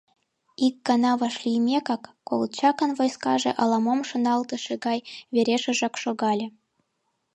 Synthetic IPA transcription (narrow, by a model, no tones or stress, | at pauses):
ik̚ːɑnɑβɑʃlʲijmʲekɑkːolt͡ɕɑkə̆nvojskɑ̰ʒḛ̆ʔɑlˠɑmomʃŏnɑlt̪ɤ̆ʃĕɣɑjβeɾʲeʃĕʒɑkʃoɣɑlʲĕ